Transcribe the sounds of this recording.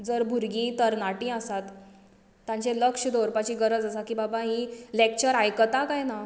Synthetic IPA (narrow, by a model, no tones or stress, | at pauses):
d͡zəɾbʱuɾɡĩːt̪əɾnaʈĩəsat̪ː | jãɲt͡ɕeləkʂəd̪oɾpat͡ɕiːɡəɾəd͡zasakiːbabaɦilek̚t͡ɕəɾajkət̪akajna